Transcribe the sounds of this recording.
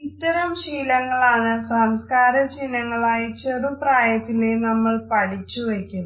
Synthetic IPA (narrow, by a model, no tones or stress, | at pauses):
it̪ːɐɾɐmɕiːlɐŋːɐɭaːɳɨsaːmskaːɾɐt͡ɕinːɐŋːɐɭaːjit͡ɕerupraːjɐt̪ːilenɐmːɐɭpɐɽʰit͡ɕːuʋekʲːunːɐ